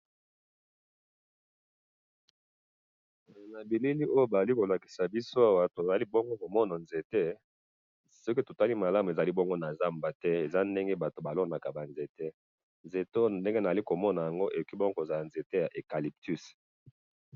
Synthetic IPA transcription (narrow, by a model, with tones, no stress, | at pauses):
na˨bi˨li˦li˦ʔo˦jo˦ba˨za˨li˦ko˨la˨ki̥˨sa˨bi˦so˦a˦wa˦to˨za˨li˦bɔ˦ŋɡo˦ko˨mɔ˦na˨nze˨te˦ | sɔ˦ke˦to˨ta˦li˦ma˨la˦m˨e˨za˨li˦bɔ˦ŋɡo˦na˨za˦mba˨tɛ˦e˨za˦nde˦ŋɡe˦ba˨to˨ba˨lo˦na˨ka˨ba˨nze˨te˦ | nze˨to˦˨nde˦ŋɡe˦na˨za˨li˦ko˨mɔ˦na˨ja˨ŋɡo˦ʔe˨o˨ki˦bɔ˦ŋɡo˦ko˨za˨la˨nze˨te˦ja˨ʔe˨ka˨li˨p̚ty˦s